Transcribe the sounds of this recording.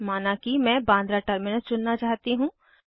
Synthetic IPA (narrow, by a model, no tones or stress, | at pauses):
maːnakimɛ̃ːbãːnd̪ɾaʈəɾmɪnət͡ʃʊnːat͡ʃaːɦt̪iɦũː